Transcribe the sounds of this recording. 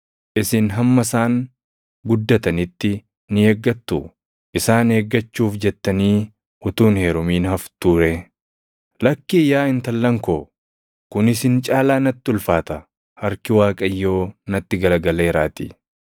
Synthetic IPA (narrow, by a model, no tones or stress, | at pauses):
ʔɪsɪnɦɐmːɐsaːŋ | ɡʊd̪ːɐt̪ɐnɪt̪ːɪ | nɪeːɡːɐt̪ːʊ | ʔɪsaːneːɡːɐt͡ʃːuːfd͡ʒɛt̪ːɐniː | ʔʊt̪uːnhe̞ːɾʊmiːnhɐft̪uːɾe | lɐkːiːjaːɪnt̪ɐlːɐŋkoː | kʊnɪsɪnt͡ʃʼaːlaːnɐt̪ːɪʊlfaːt̪ɐ | hɐɾkɪwaːkʼɐjːo̞ːnɐt̪ːɪɡɐlɐɡɐle̞ːɾaːt̪ḭ